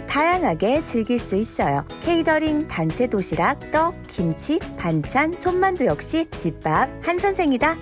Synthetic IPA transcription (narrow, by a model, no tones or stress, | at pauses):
tajaŋɦaɡe̞t͡ɕɯɭɡiɭs͈uis͈ʌjo̰kʰe̞idʌɾiŋtant͡ɕʰe̞doɕʰiɾak̚t͈ʌkimt͡ɕʰipant͡ɕʰansʰonmandujʌk̚ɕ͈it͡ɕip͈ap̚hansʰʌnsʰe̞ŋida